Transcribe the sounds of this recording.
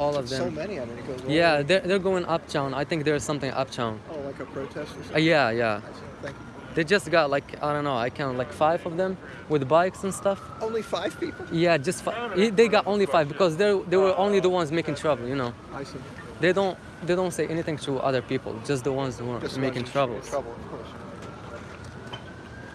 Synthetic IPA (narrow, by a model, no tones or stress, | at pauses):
ɔlˠʌvðɨ̃oʊmɛniʌ̃ɡoʊjæðə˞ðə˞ɡoʊɪ̃ŋʔʌp̚tʰãʊ̃naɪθɪ̃ŋk̚ðə˞z̥sʌ̃mθɪ̃ŋʔʌ̰p̚tʰãʊ̃noʊlaɪkəpʰɹ̥oʊtʰɛstəjæjæ̰̃ | ðeɪd͡ʒʌst̚ɡ̥ɑt̚ˡlaɪkʰa̰ɪdɾõʊ̃nːoʊaɪkʰæ̃nlaɪkfaɪvʌvðɨ̃m | wɨðbaɪksə̃n̩stʌf | õʊ̃nlifaɪv̥pipl̩ˠjæd͡ʒʌstfaðeɪɡɑɾʔõʊ̃nlifaɪvbɨkʰɔzðə˞ðeɪwə˞ʔõʊ̃nliðəwʌ̃nzmeɪkɪ̃ŋtʰɹ̥ʌbl̩ˠjɨnoʊ | aɪs | ðeɪdõʊ̃nt | ðeɪdõʊ̃ntseɪʔɛniθɪ̃ŋtʰəʔʌ̰ðə˞pipl̩ˠd͡ʒʌst̚ðəwʌ̃nzhuə̃˞meɪkɪ̃ŋtʰɹ̥ʌbl̩ˠʰɹ̥ʌbl̩ˠʌv̥kʰɔɹs